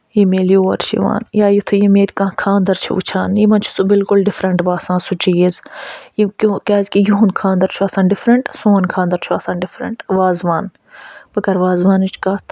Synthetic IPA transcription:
jimeːljoːɐɾt͡ʃʰḭʋa̰ːnjaːjut̪ʰujimeːt̪kãːkʰãːnd̪ɐɾt͡ʃʰḭṵt͡ʃʰaːnjimɐnt͡ʃʰu̥subɪlkʊlɖɪfɾɐɳʈbaːsãːsut͡ʃiːzjikũkɛːzʲkijuɦnkʰãːnd̪ɐɾt͡ʃʰuɐsãːnɖɪfɾɐɳʈsoːnkʰãːnd̪ɐɾt͡ʃʰuɐsãːnɖɪfɾɐ̰ɳʈʋaːzʋaːn | bɐɡɐɾʋaːzʋãːnit͡ʃʰkaːt̪ʰ

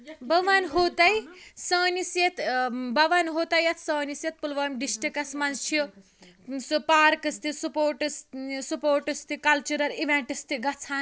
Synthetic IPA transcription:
bɐʋanɦot̪ɐjsɐːnisjet̪bɐʋɐnɦoːt̪ɐjɐt̪ʰsɐːnisjet̪̚pulʋɐːmʲɖisʈikɐsmɐnt͡ʃʰjo | supaːɾkɨst̪isupoːɾʈɨssupoːɾʈɨst̪ikɐlt͡ʃuɾɐɾiʋeɳʈɨst̪iɡɐt͡sʰaːn

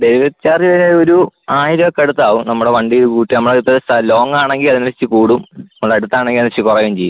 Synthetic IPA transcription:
d̪eɾiʋɐt͡ɕaːrjiʋɐneoɾuaːjiɾɐkːɐɽut̪ːaːʋumnɐmːuɽeʋɐɳɖijoɾukuːʈːinɐmːuɽeupːɐst̪ɐlo̞ːŋaːɳe̞ŋɡilɐðinɐit͡ɕːɨkuːɽumɐmːuɭeɐɽut̪ːaːɳeŋɡilɐnːt͡ɕːikurɐjumt͡ɕe̞jːu

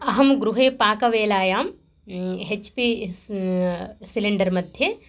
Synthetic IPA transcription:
ɐɦɐmɡɾuɦeːpaːkɐʋeːlaːjaːm | ɦet͡ʃpi | siliɳɖɐɾmɐd̪ʱje

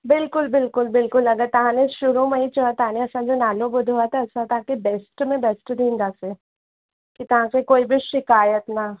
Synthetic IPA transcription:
bɪlkʊlbɪlkʊlbɪlkʊlːɐɡat̪ɐɦãneʃʊɾumẽit͡ʃoat̪anẽɐsãd͡ʒonaːlobʊd̪ʱoat̪ʰɛɐsãt̪ʰaakebɛːsʈmẽbɛsʈd̪ĩːnd̪aːse | kit̪ɐɦãsekoːibʱiʃɪkaːjət̪na

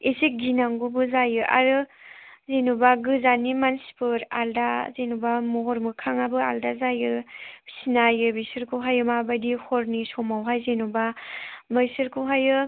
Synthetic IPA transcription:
esik̚ɡinaŋɡubɯzajɯʔa̰ɾɯzenubaɡɯzanimanspɯɾa̰ldazenubamɔɾmɯkʰaŋabɯaldazajɯ̥sinajɯbisɯɾkʰɯwɦajɯmabajdihɔɾnisɔmawɦajzenubabɯjsɯɾkʰɯwɦajɯ

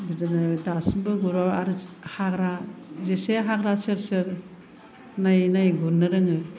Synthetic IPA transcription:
bidanɯdasimbɯɡuɾaaɾɯ | haɡɾazeseɦaɡɾasɯɾsɯɾ | najnajɡunːɯɾɯŋɯ

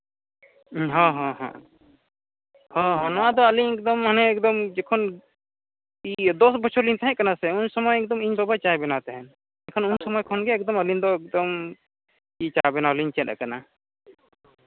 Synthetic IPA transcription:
ɦɔ̃ɦɔ̃ɦɔ̰̃ | hɔ̃ɦɔ̃nɔwad̪ɔəliɲɛk̚d̪ɔmɦənɛːkd̪ɔmd͡ʒɛkʰɔn | id̪ɔsbɔt͡ʃʰɔlint̪ʰaɦɛ̃kanasɛunsɔmɔjɛk̚d̪ɔmiɲbɔbat͡ʃabɛnat̪ɛɦɛn | ɛkʰɔnunsɔmɔjkʰɔnɡɛːkd̪ɔməlind̪ɔɛk̚d̪ɔm | it͡ʃabɛnaɔliɲt͡ʃɛɗ̪a̰kana

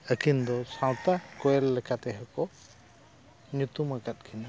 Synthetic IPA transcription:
əkʰind̪ɔsaw̃t̪akɔɛlːɛkʰat̪ɛɦɛkɔ | ɲut̪umakat̪̚kʰina

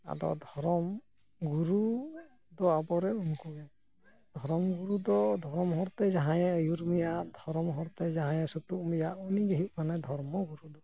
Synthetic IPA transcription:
a̰d̪ɔ̰d̪ʱɔɾɔm | ɡuɾu | d̪ɔabɔɾɛunku | d̪ʱɔɾɔmɡuɾud̪ɔd̪ʱɔɾɔmɦɔɾt̪ɛd͡ʒaɦãjɛəjuɾmijaʔd̪ʱɔɾɔmɦɔɾt̪ɛd͡ʒaɦãjɛsut̪uk̚mijaʔuniɡɛɦit̪̚manad̪ʱɔɾmɔɡuɾud̪ɔ

